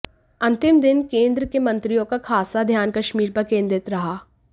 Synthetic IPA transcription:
ɐ̃nt̪ɪmd̪ɪnkẽːnd̪ɾəkemɐ̃nt̪ɾijõkakʰaːsad̪ʱjaːnkɐʃmiːɾpɐɾkẽːnd̪ɾɪt̪ɾɐɦaː

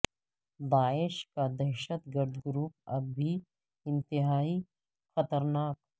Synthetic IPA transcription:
d̪aːɪʃkad̪ɐɾʃət̪ɡəɾd̪ɡɾuːp̚ɐ̰bːi | ɪ̃nt̪ɪɦaːi | xɐt̪əɾnaːk

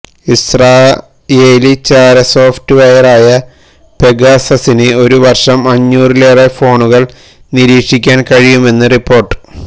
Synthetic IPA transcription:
israː | eːlit͡ɕaːɾɐso̞ːftɨʋɐjɐraːjɐ | pe̞ɡaːsɐsinɨo̞ɾuʋɐrʂɐmɐɲːuːrileːrefo̞ːɳuɣɐɭ | niɾiːkʂikʲːaːnkɐɻijume̞nːɨripːo̞ːrʈːɨ̥

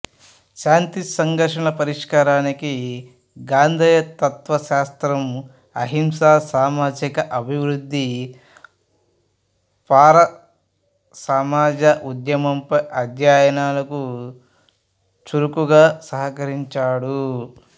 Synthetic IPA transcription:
ʃaːnt̪isɐŋɡɐɾʂɐɳɐpɐɾiʂkaːɾaːniki | ɡaːnd̪ʱiːjɐt̪ɐt̪ʋɐʃaːst̪ɾɐm | ɐ̰ɦimsaːsaːmaːd͡ʒikɐʔɐbʱiʋɾud̪ːi | paːɾɐ | saːmaːd͡ʒɐʔud̪jɐmɐmpɐjʔɐd̪jaːjɐnaːlɐku | t͡ʃuɾukuɡaːsɐɦɐkɐɾiɲt͡ʃaːɽu

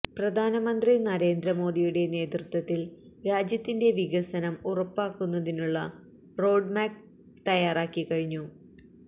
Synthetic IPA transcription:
prɐd̪ʱaːnɐmɐnd̪rinɐɾe̞ːnd̪rɐmo̞ːd̪ijuɽe̞ne̞ːt̪rut̪wɐt̪ːilɾaːd͡ʑjɐt̪ːinde̞ʋiɣɐsɐnɐmurɐpːaːkːunːɐðinuɭːɐ | ro̞ːɖmaːk̚ | t̪ɐjaːraːkːikɐɻiɲːu

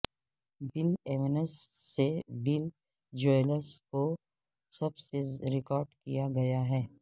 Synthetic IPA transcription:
bɪleʋenəsːebɪl | d͡ʒoːləsko | sɐbseɾɪkɔːɾɖkḭjaɡɐjaɦɛː

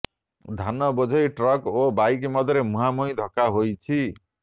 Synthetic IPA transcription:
d̪ʱanɔbɔd͡ʒʱɔjʈɾɔkobajkemɔd̪ʱɾemuɦamuj̃d̪ʱɔkaɦojt͡ʃʰi

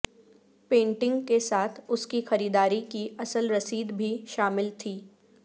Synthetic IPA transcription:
pẽːɳʈɪ̃ŋɡkesaːt̪ʰʊskixɐɾiːd̪aːɾikiʔɐsəlɾɐsiːd̪bʱiʃaːmɪlt̪ʰiː

